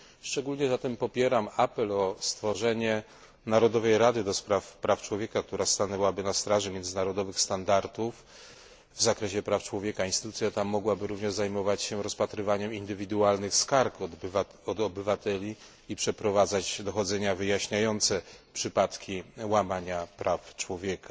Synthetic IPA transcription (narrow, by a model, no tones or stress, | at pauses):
ʂt͡ʂɛɡulɲɛzat̪ɛmpɔpʲjɛɾamapɛlɔst̪fɔʐɛɲɛ | naɾɔd̪ɔvɛjɾad̪ɘd̪ɔspɾafpɾaft͡ʂwɔvʲjɛkak̚t̪uɾast̪anɛwabɘnast̪ɾaʐɛmʲjɛnd̪zɘnaɾɔd̪ɔvɘxst̪and̪aɾt̪uf | vzakɾɛɕɛpɾaft͡ʂwɔvʲjɛkainst̪ɘ̥t̪utsʲjat̪amːɔɡwabɘɾuvɲɛʐzajmɔvat͡ɕɕɛɾɔspat̪ɾɘvaɲɛmind̪ɘvʲid̪ualnɘxskaɾk̪ | ɔd̪ɔbɘvat̪ɛlʲi | ipʂɛpɾɔvad̪zad͡ʑd̪ɔxɔd̪zɛɲavɘjaɕɲajɔnt̪sɛpʂɘpat̪kʲiwamaɲapɾaft͡ʂwɔvʲjɛkʰa